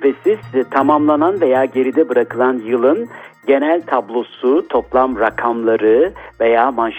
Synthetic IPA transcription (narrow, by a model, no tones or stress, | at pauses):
pʰesiz̥t̪ʰamamlˠananve̞jaːɟe̞ɾid̪ɛbɯɾakɯlˠanjɯlˠɯnɟe̞nælʲt̪ʰablˠo̞sut̪ʰo̞plˠamɾakʰamlˠaɾɯvejaːmanʃ